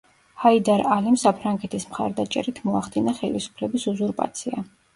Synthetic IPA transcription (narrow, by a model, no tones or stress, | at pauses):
haid̪aɾalimsapʰɾaŋɡɛt̪ʰismχa̰ɾd̪at͡ʃʼɛ̰ɾit̪ʰmɔaχd̪inaχɛlisu̥pʰlɛbisuzuɾpʼa̰t̪sʰia